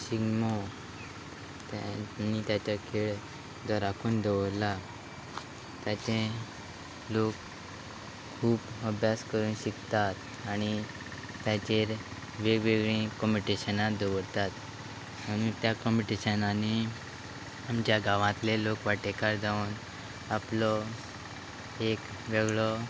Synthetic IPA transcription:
siɡmɔ | t̪anit̪jat͡ɕakʰeɭ | d̪ɔɾakʰuːnd̪eʋəɾla | t̪jat͡ɕẽ | lokʰ | uːpəbʱjaskəɾuːnɕikt̪at̪ | aɽ̃i | t̪jat͡ɕeɾ | ʋeʋeɡɭĩkɔmpiʈiɕənad̪eʋəɾt̪at̪ | m̤ə̃uːnt̪jakɔmpiʈiɕənani | amt͡ɕjaɡaʋãt̪lelokʋaʈekaɾd͡z̪aun | aplɔ | ek | ʋeɡɭɔ

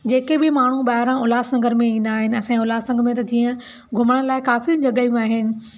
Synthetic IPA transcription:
d͡ʑeːkebɪmaːɳ̤uɓaːɦɪɾãʊlaːsɐ̃ŋɡəɾmẽĩːnd̪aːɦɪnɪ̆ɐsãĩʊlaːsɐ̃ŋɡmẽt̪ɐd͡ʑĩːə̃ | ɡʱʊməɽ̃laːɪkaːfiʊ̃d͡ʑɐɠaːjũaːɦɪnɪ̆

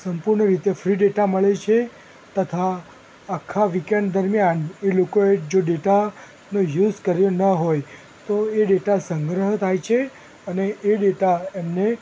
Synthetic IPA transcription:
səmpuɾɳəɾit̪efɾiɖeʈaməɭet͡ʃʰe | t̪ət̪ʰaː | kʰːaʋikjend̪əɾmjanelokoed͡ʒoɖeʈa | nõjuzkəɾjonəɦoj | t̪oeɖeʈasəŋɡɾəɦt̪ʰajt͡ʃʰe | əneʔːɖeʈaemne

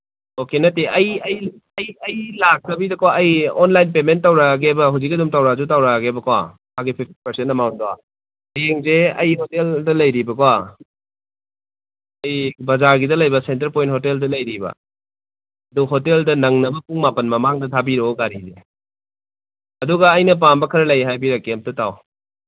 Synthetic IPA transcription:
okenɐtːeʔɐjɐj | ɐjɐjlak̚sɐbidɐkowaɐjɔnlajnpementːɐwɾaɡebɐɦuzik̬ɐdumtɐwɾazutawɾaɡebɐkawa̰ | hʰaɡipʰip̚ʰti̥pɐɾsentɐmawntowa̰ | jeŋzeɐjɦɔteldɐlɐjɾibɐkawa | ɐjbɐzaɾɡidɐlɐjbɐsent̬ɐɾpojnt̚hɔteldɐlɐjɾibɐ̰ | ɐduɦɔteldɐnɐŋnɐbɐpuŋmapɐnmɐmaŋdɐtʰabiɾoɡaɾize | ɐduɡɐːjnɐp̬ambɐkʰɐɾɐlɐjɦajbiɾɐkːem̚tɐtaw

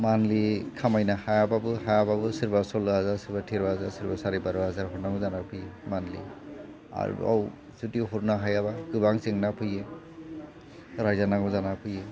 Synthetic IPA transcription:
manlikʰamajnahajababɯɦajababɯsiɹbasɔlɔɦazasiɾbatʰiɾaɦazasiɾbasaɾibaɾɔɦazaɹɦɔɾnaŋɔzanapʰɯjɛmanlḭ | a̰ɹ̰ɔ̰w | zutiɦuɾnaɦajabakɯbaŋsɛŋnapʰɯjɛ | ɹajzanaɡɔzanapʰɯjɛ

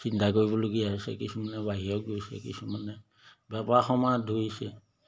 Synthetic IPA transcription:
sintʰakoɹibɔlokiaɦsɛ̰kisumanɛbaɦijɔk̚ɡojsɛ̰kisumanɛ | bɛpaxɔmadʱoisɛ

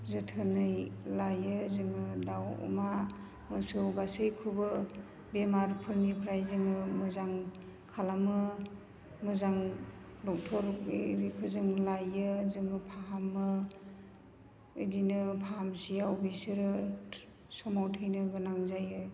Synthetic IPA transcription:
zɯtʰɯnɯjlajɯzɯŋɯdawɔ̰ma | mɯsɯwbasɯjkʰubɯ | bemaɾpʰɯɾnipʰɾajzɯŋɯmɯzaŋ | kʰalamɯ | mɯzaŋ | lɔk̚tʰɔɾɾikʰɯzɯŋlajɯzɯŋɯpʰaɦamɯ | dinɯpʰaamsijaubisɯɾɯ | sɔmawtʰɯjnɯɡɯnaŋzajɯ

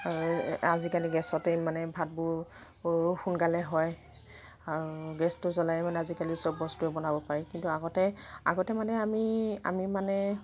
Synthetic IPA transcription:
aɹuazikaliɡɛsɔtemanɛbʱat̚bʊ | xunɡalɛɦɔj | aɹuɡɛstʊzɔlajɛmanɛazikalisɔbːɔstuɛbɔnabɔpaɹikintuaɡɔtɛa̰ɡɔtɛmanɛamia̰mimanɛ

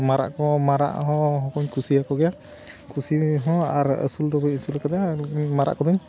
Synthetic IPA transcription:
maɾa̰ʔkɔmaɾa̰ʔɦɔ̃ɦɔkɔɲkʰusiakɔɡɛja | kʰusiɦɔ̃aɾə̰suld̪ɔbɔinsulakad̪ɛmaɾa̰ʔkɔd̪ɯɲ

